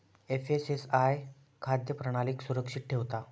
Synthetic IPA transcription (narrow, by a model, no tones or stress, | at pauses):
efesesaj | kʰad̪jəpɾəɽ̃aliːksuɾəkʂit̪̚ʈʰeʋt̪a